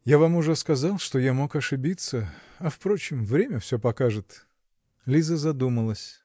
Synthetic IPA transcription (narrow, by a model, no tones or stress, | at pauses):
javamʊʐɛskɐzɑlˠʂt̪o̞jamo̞kɐʂɨbʲit̪sə | ɐfpɾo̞t͡ɕɪmvɾʲemʲəfsʲɵpɐkaʐɨt̪ | lʲizəzɐd̪uməlˠəsʲ